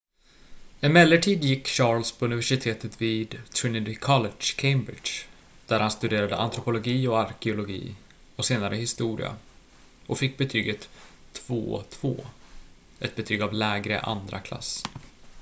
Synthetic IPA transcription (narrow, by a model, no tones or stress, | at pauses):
ɛnmɛlːəʈʰiːd̪jɪkːɕɑːlspʰɔɵnɪvæʂɪt̪ʰeːt̪ət̪viːd̪t̪ʰɪnɪd̪ɪkʰɔlɛʂkʰɛɪmbɾɪ̰ʂ | d̪̥æɾhanst̪ɵd̪eːɾad̪əʔa̰nt̪ʰɾʊpʊlʊɡiːɔaɾkɛʊlʊɡḭː | ɔseːnaɾʔəhɪst̪uːɾɪ̰a̰ | ʔɔfɪkːbɛt̪ʰyːɡət̪ʰːv̥o̰ːt̪ʰv̥o̰ː | ʔɛt̪̚bɛt̪ʰyːɡavlɛːɡɾə̰ʔa̰nd̪ɾa̰kʰla̰sː